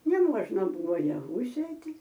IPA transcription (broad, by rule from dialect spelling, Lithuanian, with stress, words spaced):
nʲɛˈmuɔʒnɐ ˈbʊʋoː jɛˈʋuː ˈsʲeːtʲɪ